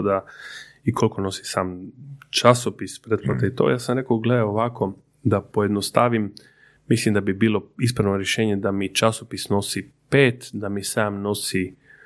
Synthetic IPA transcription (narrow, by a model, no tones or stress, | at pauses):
d̪aikʰo̞lko̞no̞si̥saːmt͡ʃasopispɾet̪plˠat̪ait̪o̰jaːsamɾe̞koɡled̪aoʋakʰo̞ | d̪apojed̪nost̪aʋim | mislimd̪abibiːlo̞ispɾanoɾjeʃeːɲe̞d̪amit͡ʃasopisno̞sipeːt̪d̪amisaːmno̞si